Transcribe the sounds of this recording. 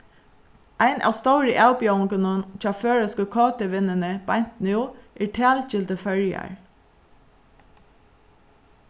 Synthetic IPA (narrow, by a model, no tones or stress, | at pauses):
ʔæɪnʔɑ̰ːst̪oʊɹəʔɑʊbjʊŋkənənc͡çɑføːɹəskəkʰɑːt̪əʋɪnənəb̥æn̥t̪nʉːʔiːʈʰæːlçɪlt̪əfœɹjɑ̰ɹ